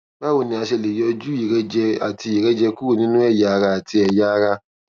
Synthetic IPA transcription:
ba˦wo˨nĩ˧˦a˧ʃe˧˨le˨jɔ˧d͡ʒu˦i˨ɾɛ˦d͡ʒɛ˧a˨ti˧˦i˨ɾɛ˦d͡ʒɛ˧ku˦o˦˨nĩ˦nũ˦ɛ˦˨ja˨˧ɾa˧a˨ti˧ɛ˨ja˦˧ɾa˧

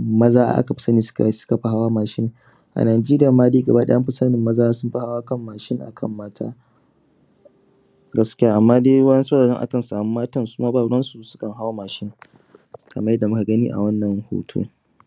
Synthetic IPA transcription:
mɐ˦zaː˦a̰˦ʔa̰˦ka˨ɸɪ˦sɐ˦niː˨ssʊ̥˦ka˨ɸa˨ɦa˦waː˦maː˨ʃɪ˦ŋ | ʔa̰˨naː˨d͡ʒeː˦ɾɪ˦ja˨maː˦diː˦ɡɐ˨ba˦ɗɐ̰˦jɐ˦mɸɪ˦sa˦nɪ˨mːɐ˦zaː˦a˦sʊ˦mɸa˦ha˦waː˦kɐ˦mːaː˨ʃɪ˦ŋʔa̰˨kʰɐ̰˦˨mːaː˦tʰa̰ː˦ | ɡɐ˦skʲjaː˦ʔa˨mːaː˦de˦wɐ˦ɐ˦so˦ɽaː˨zɐ˦ŋʔa̰˦kɐ˨nsaː˨mu˦maː˦tɐ˦nsuː˦maː˦baː˦˨˦ɽɐ˦nsu˨sʊ̥˦kɐ˨ŋɦa˦wa˦maː˨ʃɪ˦ŋ | kʰɐ˨mɐ˦jɛ˦da˨mʊ˦ka˨ɡɐ˦nḭː˦ʔa̰˨wɐ˦nːɐ˨ŋho̰ː˦tʰo̰ː˦

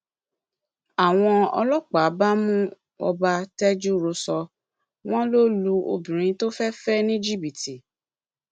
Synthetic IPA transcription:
a˨w̃ɔ̃˧ɔ̰˧lɔ˦k͡pa˨˦ba˦mũ˦ | ɔ̰˧ba˧tɛ˦d͡ʒu˦ɾo˧sɔ˧ | w̃ɔ̃˦lo˦lu˧o̰˧bĩ˨ɾ̃ĩ˧to˦fɛ˦fɛ˦nĩ˦d͡ʒi˦bi˨ti˨

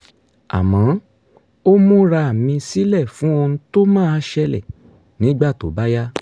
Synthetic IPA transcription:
a̰˨mã˨˦ | o˦mũ˦ɾa˧a˨mĩ˧si˦lɛ˦˨fũ˨˦o˧nũ˧˦to˦mãː˦a˧ʃɛ˧lɛ̰˨ | nĩ˨˦ɡ͡ba˦˨to˨ba˦ja˦

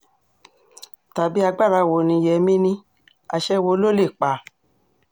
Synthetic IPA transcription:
ta˨bi˦a˧ɡ͡ba˦˨ɾa˧˨wo˨nĩ˧jɛ˧mĩ˦nĩ˧˦ | a̰˧ʃɛ˦wo˧˦lo˦le˦˨k͡pa˨˦

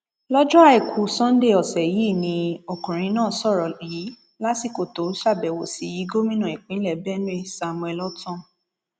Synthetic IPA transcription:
lɔ˦d͡ʒɔ˦a˦˨i˨kʰu˨sɔ̃˦n̩˦de˦˨ɔ˨sɛ˨ji˦˨nĩ˧o˨kũ˨ɾ̃ĩ˨˦nãː˦˨sɔ˦˨ɾɔ˨i˨˦ | la˦si˦˨ko˨to˨˦ʃa˦˨bɛ˨wo˨si˨˦ji˨˦ɡo˦mĩ˦nã˦˨i˨k͡pĩ˦lɛ˦˨bɛ˦nũ˦e˦˨sa˨m̃˧ɛ˨lɔ˦tɔ̃˦

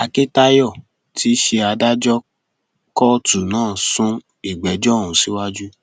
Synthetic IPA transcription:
a˧ke˦ta˧jɔ˦˨ | tʰi˦ʃe˧a˧da˦d͡ʒɔ˦ | kɔ˦tu˨nãː˦˨sũ˦ | i˦˨ɡ͡bɛ˨˦d͡ʒɔ̃˦˨ũ˨si˨˦wa˦d͡ʒu˦

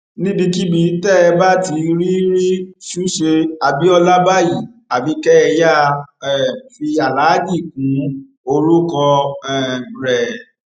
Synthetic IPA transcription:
nĩ˦bĩ˧ki˦ɡ͡bĩ˨n˦tɛ˦˨ɛ˧ba˦ti˧ɾi˦ɾi˦ʃu˦ʃe˧a˨bi˨˦ɔ˧la˦ba˦ji˨ | a˨bi˨˧kɛ˦ɛ˧ja˦˧ɛ˦˨fi˧a˨la˨˦d͡ʒi˦˨kũ˨˦ | o˧lu˦kɔ˧ɛ˨ɾɛ˨

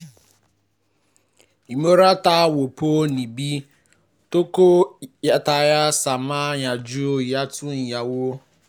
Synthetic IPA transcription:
i˨mo˦ɾa˦ta˦wo˨poː˦ni˨bi˦ | to˦ko˦ja˨ta˨ja˦sa˨ma˦ɲa˨d͡ʒu˦o˦˨ja˦tʊ˦n̩˨ja˨wo˦

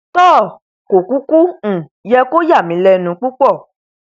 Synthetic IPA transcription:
tɔː˦˨ | ko˨ku˦kũ˦˨jɛ˧ko˦ja˦˨mĩ˨˦lɛ˧nũ˨˧˦k͡pu˦k͡pɔ˦˨

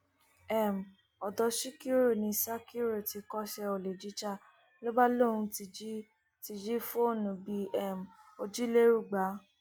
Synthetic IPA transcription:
ɛ˦˨m̩˨ | ɔ˨dɔ˧ʃi˦ki˦ɾo˦˨nĩ˧sa˦ki˦ɾo˦˨ti˨˧kɔ˦ʃɛ˧o˨le˨d͡ʒi˨˦t͡ʃa˦˨ | lo˦ba˦lo˦˨nũ˧ti˧d͡ʒi˦ | ti˧d͡ʒi˦fo˦o˦˨nũ˨bi˧ɛ˦˨m˨o˧d͡ʒi˦le˦ɾu˦˨ɡ͡ba˨˦

